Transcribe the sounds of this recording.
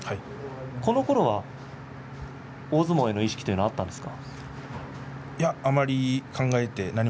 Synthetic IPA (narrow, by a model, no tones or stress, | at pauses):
hai | ko̞no̞ko̞ɾo̞βa | oːzɨmo̞ːe̞no̞iɕi̥kʲi̥t̪o̞jɯ̟noat̪ːãnd̪e̞sɨ̥kḁ | jaːmaɾʲikʰãŋɡae̞t̪e̞naɲ̟i